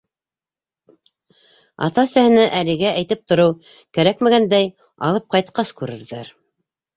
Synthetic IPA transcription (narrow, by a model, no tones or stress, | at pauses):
ɑ̰t̪ɑ̆sæhɘ̆næʔælɘ̆ɡæʔæjt̪ɘp̚t̪ŏɾɤw | kæɾækmæɡænd̪æj | ɑ̰lˠɤp̚qɑjt̪̚qɑskʉɾɘ̆ɾðæɾ